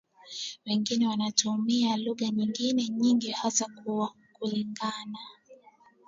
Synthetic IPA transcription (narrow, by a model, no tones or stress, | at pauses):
wɛŋɡinɛwanatʰumialuɣaɲiŋɡinɛɲiŋɡihasakuwa | kuliŋɡana